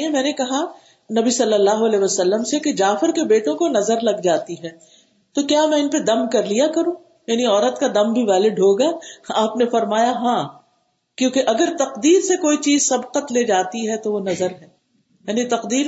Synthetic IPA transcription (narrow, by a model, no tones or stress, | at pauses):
ɦɛ̃mɛ̃ːnekɐɦa | nɐbisɐlːəlːaːɦoɐlɛːʋɐsɐlːəmseked͡ʒaːfɪɾkebeːʈõkonɐzəɾlɐɡd͡ʒaːt̪iɦɛː | t̪okjaːmɛ̃ɪnped̪ɐmkɐɾlijakɐɾũː | jaːniɔːɾət̪kad̪ɐ̃mbʱiʋaːleɖʱoːɡaaːpnefɐɾmaːjaɦãː | kjõːkeʔɐɡəɾt̪ɐqd̪iːɾsekoːit͡ʃiːzsɐbqət̪leːd͡ʒaːt̪iɦɛt̪oʋonɐzəɾɦɛː | jaːnit̪ɐqd̪iːɾ